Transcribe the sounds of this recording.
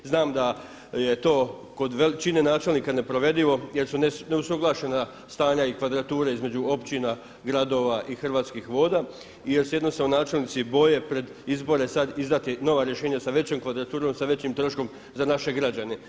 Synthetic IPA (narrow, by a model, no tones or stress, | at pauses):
znaːmd̪a | je̞t̪o̞ː | ko̞d̪ʋelt͡ʃine̞naːt͡ʃe̞lˠniːkane̞pɾo̞ʋe̞d̪iʋo̞jeɾsunene̞usuɡlˠaʃena | st̪aːɲaikʋad̪ɾat̪uːɾeizme̞d͡ʒuo̞pt͡ɕina | ɡɾad̪o̞ːʋaʔixrʋaːt̪skixʋo̞ːd̪a | ije̞ɾsjed̪nomseonaːt͡ʃe̞lnit̪sibo̞je̞pɾe̞d̪izbo̞ɾe̞sad̪izd̪at̪ino̞ʋaɾjeʃe̞ːɲasaʋe̞t͡ɕoːmkʋad̪ɾat̪uːɾo̞msaʋe̞t͡ɕimt̪ɾoʃko̞m | zanaʃe̞ɡɾad͡ʑane